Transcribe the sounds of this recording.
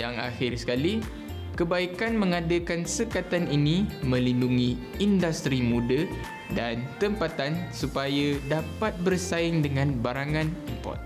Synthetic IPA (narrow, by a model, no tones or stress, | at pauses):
jaŋa̰xɪrsə̥kali | kəbaikanmə̃ŋadəkansəkat̪aninĩmə̃linduŋĩ | indast̪ɾimũdə | dant̪əmpat̪ansupajadapat̪̚bərsaɪŋdəŋãnbaɾaŋãnimpɔ̰rt̪̚